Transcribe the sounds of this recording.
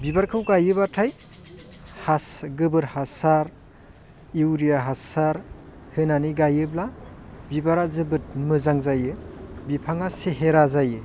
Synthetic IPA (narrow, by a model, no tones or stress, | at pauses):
bibaɾkʰɯwɡajɯbatʰaj | hasɡɯbɯɾhasaɾ | iwɾijaɦasaɾ | hɯnaniɡajɯblabibaɾazɯbɯt̚mɯzaŋzajɯbipʰaŋaseɦeɾazajɯ